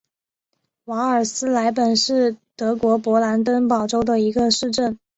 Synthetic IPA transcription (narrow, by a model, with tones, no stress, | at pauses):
wa˧˥ə˞˨˩sɹ̩˥la˧˥ɪpə˨˩nʂɻ̩˥˩t̪ɤ˧˥kwɔ˧˥pwɔ˧˥la˧˥nt̪ə˥npɑ˨˩ʊʈ͡ʂo˥ʊd̪ə˨i˧˥ɡə˧ʂɻ̩˥˧ʈ͡ʂə˥˩n